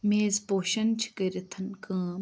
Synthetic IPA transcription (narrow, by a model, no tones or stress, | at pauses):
meːzboːʃɐnt͡ʃʰkəɾit̪ʰɐnkə̃ː